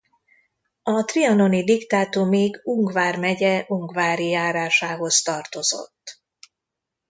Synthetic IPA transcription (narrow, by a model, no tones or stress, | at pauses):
ɒt̪riɒno̞nid̪ikt̪aːt̪oːmeːɡuŋɡvaːrmɛɟɛʔuŋɡvaːɾijaːɾaːʃaːɦo̞st̪ɒrt̪o̞zo̞̰t̪ː